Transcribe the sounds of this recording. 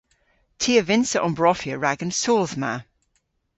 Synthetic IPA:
tʰiːəvɪ̃nsəʔɔ̃mbɹɔfjəɹaɡə̃nsoːlˠðma̰

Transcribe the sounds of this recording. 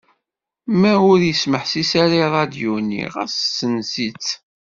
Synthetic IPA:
mæʊɾjəsməħsisaɾaɾˤɑd̪junḭʁæssənsit͡sː

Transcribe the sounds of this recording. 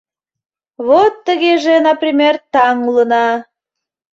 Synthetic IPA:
βot̪ːəɣeʒenɑprʲimʲert̪ɑŋulənɑ

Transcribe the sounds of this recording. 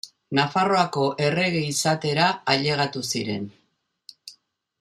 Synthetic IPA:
nafaro̞ako̞ʔe̞re̞ɣeisat̪e̞ɾaaʎe̞ɣ̞at̪usiɾe̞̰n

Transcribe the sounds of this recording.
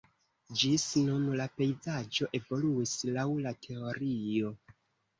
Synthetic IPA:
d͡ʒisnunlape̞jzad͡ʒo̞ʔe̞vo̞luislawlatʰe̞o̞ɾijo̞

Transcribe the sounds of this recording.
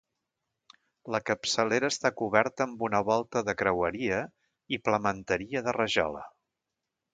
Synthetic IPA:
ləkəpsəleɾəːst̪akuβɛɾt̪əːmbunəβ̞ɔlˠt̪əðəkɾəwəɾiə | ipləmənt̪əɾiəðərəʒɔ̰lə̰

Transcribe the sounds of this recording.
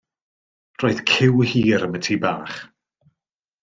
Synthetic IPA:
roːɨð̥kʰɪwhiːɾəmətʰibaːχ

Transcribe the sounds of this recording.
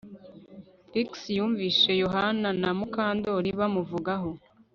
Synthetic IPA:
fɾiksjuːɱviːʃe̞joɦananamukaːndo̞ɾiβamuvuɡaɦo

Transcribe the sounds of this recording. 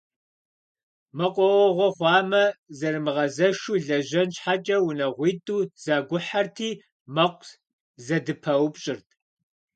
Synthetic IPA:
mɐqʷʼɔwɔʁʷɔχʷɑːmɐzɐrɨmɨʁɐzɐʃuːɮɐʑɐnɕħat͡ʃʼɐwʊnɐʁʷiːtʼuːz̥aːɡʷʊħartʰiː | mɐqʷʼ | zɐdɨpʰɐwpɕʼɪrtʰʼ

